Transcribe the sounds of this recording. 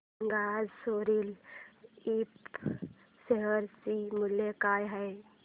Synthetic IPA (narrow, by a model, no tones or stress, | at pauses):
ŋɡaːd͡ʒsoːɾil | ip | seɦəɾsimʊljekaːjɦɛj